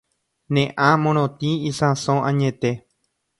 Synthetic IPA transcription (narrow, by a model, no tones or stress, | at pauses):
nẽʔãmõɾ̃õt̪ĩisãsõʔãɲẽt̪e̞